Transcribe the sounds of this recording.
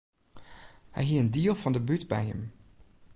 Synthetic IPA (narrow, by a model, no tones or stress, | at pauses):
hɛ̰jɦiəəndiːlˠvɑndəbytbɛ̰jɦə̰m